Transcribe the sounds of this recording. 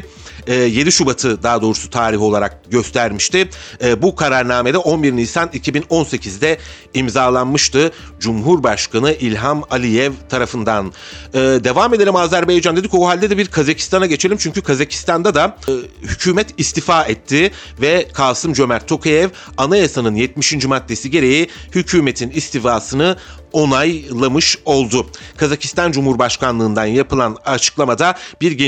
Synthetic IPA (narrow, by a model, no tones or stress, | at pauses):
ɛːje̞d̪iʃubat̪ʰɯd̪aːd̪o̞ːɾusu̥t̪ʰaːɾiɦo̞lˠaɾak̚ɟø̞st̪ʰæɾmiʃt̪ɪːbukʰaɾaɾnaːme̞d̪ɛʔo̞nbiɾnisanicʰibino̞nse̞cʰizd̪ɛ | imzaːlˠanmɯʃt̪ɯ | d͡ʒumɦuɾbaʃkʰanɯʔilʲɦamalʲijɛvt̪ʰaɾafɯnd̪an | ɯːd̪e̞vame̞d̪e̞lʲimaːzæɾbe̞jd͡ʒand̪e̞d̪icoɦalʲd̪ɛd̪ɛbiɾkʰazacʰi̥st̪anaɟe̞t͡ʃʰe̞lʲimt͡ʃʰyɲcykʰazacʰi̥st̪ʰand̪ad̪ahycʰyːmɛt̪ist̪ifaːɛt̪ʰːɪ | vɛkʰaːsɯmd͡ʒø̞mæɾt̪ʰːo̞kʰajɛv | anajasanɯnjɛt̪miʃind͡ʒymat̪ʰːe̞siɟe̞ɾe̞jihycʰyːme̞t̪ʰinist̪ifaːsɯnɯ | o̞najlˠamɯʃo̞lˠd̪ʊkʰazaci̥st̪ʰand͡ʒumhuɾbaʃkanlˠɯːnd̪anjapɯlˠanat͡ʃʰɯ̥klˠamad̪abiɾɟe